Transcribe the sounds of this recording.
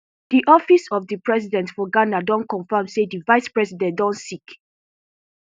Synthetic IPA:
d̥iʔɔfisɔvdipɹɛsidɛ̃ntfɔɡanadɔ̃nkɔ̃ɱfamsedivaɪspɹɛsidɛ̃ntdɔ̃ntsik

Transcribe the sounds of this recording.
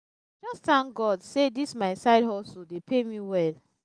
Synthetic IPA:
d͡ʒɔstãŋkɡɔdsedismaɪsaɪdhɔsodepʰemiwɛl

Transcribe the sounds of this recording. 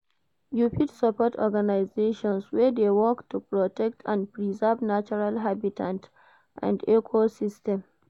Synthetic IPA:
juɸidsɔpɔtʰɔɡanajzeːʃɔ̃nswɛːd̪eːwɔktːupɾɔtɛk̚tʰãndpɾizavnat͡ʃɔɾalɦabitʰãnt | ʔã̰ndɛkʰosɪstɛ̃m

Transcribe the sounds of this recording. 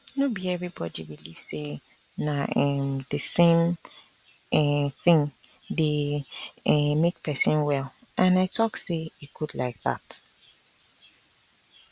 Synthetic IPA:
nobiɛvɹibɔdibiliv̥se | naɛmdɨsẽm | ɛθɪ̃ŋ | de | ɛmek̚pʰɛsɨ̃nwɛl | ʔãnaɪtʰɔkseikʰudlaɪk̚ða̰t

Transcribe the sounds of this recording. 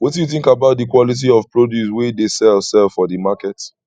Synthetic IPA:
wɔtdjuθɪ̃ŋkabaʊt̚dəkwɔlit̬iɔvpɹodjuswedesɛlsɛlfɔdəmakɛt

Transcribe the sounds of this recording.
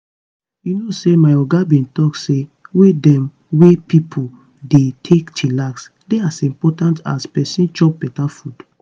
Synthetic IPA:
junosemaɪɔɡabĩntɔksewedɛ̃m | wepipʰu | detʰektʰilaks | deasĩmpɔtãnta̰spɛsĩnt͡ʃɔp̚bɛtafud̥

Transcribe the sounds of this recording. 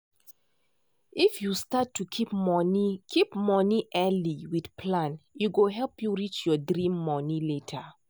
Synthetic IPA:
ifjustatʰːukʰipmɔnikʰipmɔniʔɛliwid̥pʰlãnjuɡoɦɛlpjuɹit͡ʃjɔdɾĩmːɔniletʰə

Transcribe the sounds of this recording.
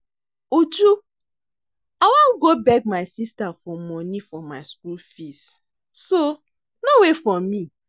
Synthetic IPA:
ud͡ʒu | awãnɡobɛk̚maɪsistafɔmɔnifɔmaɪskulfist | so | nowefɔmi

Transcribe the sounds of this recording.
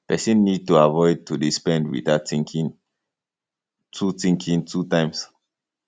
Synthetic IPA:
pɛsĩnːid̚tuavɔɪd̚tudispɛ̃ndwḭðatĩŋkĩ | tʰutĩŋkʰĩŋtʰutãɪ̃ms

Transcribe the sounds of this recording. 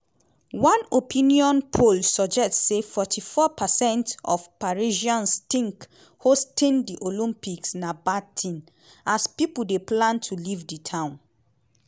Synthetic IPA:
wɔ̃nopʰĩniɔ̃npʰolsɔd͡ʒɛstsefɔtʰifɔpʰasɛ̃ntɔ̰fpaɹiʒiãnstĩŋk | hostĩndiʔolĩmpiksnabatʰĩn | aspipul̩deplãntʰulivditʰãʊ̃n

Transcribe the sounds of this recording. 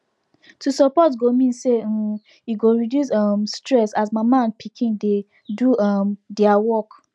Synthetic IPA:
tusɔpɔtɡomĩnse | jiɡoɹidjusɔmstɹɛsasmamãnpʰikʰĩnde | duɔmdiawɔk

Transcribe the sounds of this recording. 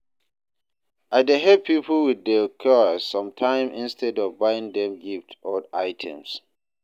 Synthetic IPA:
ʔaɪdeɦɛpʰipʰəlwidɛkʰɔsːɔ̃mtʰãɪ̃mʔĩnstʰɛdɔvbaɪɪ̃ŋdɛ̃mɡiftɔdaɪtʰɛ̰̃ms

